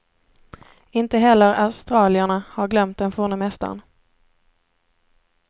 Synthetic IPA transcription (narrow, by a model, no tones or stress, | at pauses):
ɪnt̪əɦɛlːəɾaʊst̪ɾɑːlɪaɳahaɾɡlœmt̪̚d̪ɛnfoːɳəmɛst̪a̰ɾn